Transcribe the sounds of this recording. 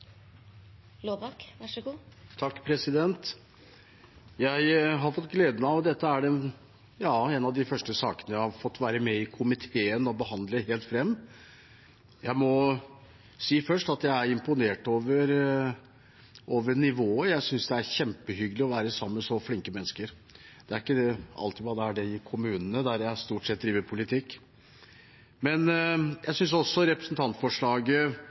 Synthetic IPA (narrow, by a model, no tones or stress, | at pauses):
loɑkʋɑʂɡuːt̪ʰɑkːpʰɾɛsɪd̪ɛnt̪ | jæɪɦɑɾfɔt̪ːɡleːd̪əməɑʋd̪ɛt̪ːəæɖɛ | jɑːenɑʋd̪ɪfœʂʈəsɑ̰ːkənəjæɪhɑɾfɔt̪ːʋæːɾəmɛɪkʰʊmɪt̪ʰeːənɔbəhɑnd̪ləɦeːlt̪fɾɛmː | jæɪmɔ | siːfœʂʈɑt̪jæɪæɾɪmpʊneːʈoːʋəɾ | ʔoːʋəɳɪʋoːəjæɪsʏnsd̪ɛæɾçɛmpəɦʏɡəlɪɔʋæːɾəsɑmːəsɔflɪŋkəmɛnːəskəɾ | d̪̥ɛæɾɪkːəɑ̰lt̪ɪʋɑːd̪ɛæɖɛɪkʰʊmʉːnənəd̪æɾjæst̪uːʈsɛt̪̚d̪ɾiːʋəɾpʰʊlɪt̪ʰɪkː | mɛnjʔæɪsʏns̬ɔsːɔɾɛpɾəsnt̪ʰɑnt̪fɔʂɭɑːɡə